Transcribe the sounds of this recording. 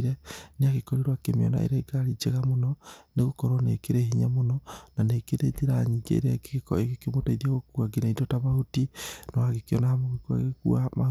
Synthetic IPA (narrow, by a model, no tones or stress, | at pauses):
ɾɛneaɣekɔɾeɾwakemeɔ̰na̰ʔḛɾɛɡaɾid͡ʒeɣamonɔneɣokɔɾɔnekeɾeɦiɲamonɔnaneːkeɾeðeɾaɲiɡḛɾɛeɣekemotaiðiaɣokuaɡenaitotaβahotinawaɣekeɔnahamoɣekua̰ɣekṵama